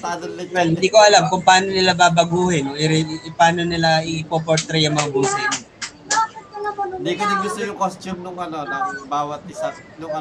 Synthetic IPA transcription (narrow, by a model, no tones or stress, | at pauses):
ad̪ɐwɛlɪnd̪iːko̞ʔɐlamkʊŋpɐaːno̞nɪlabaːbɐɡuːhɪnoʔɪɾɪpaːno̞nɪlaʔɪpoːp̬oɾt̪ɾɛjɐŋmɐŋabʊnsiːno | nd̪ikonɐɡʊst̪ojʊŋkost̪umnʊŋɐnonobaːwɐt̪̚ɪsa | nʊŋɐ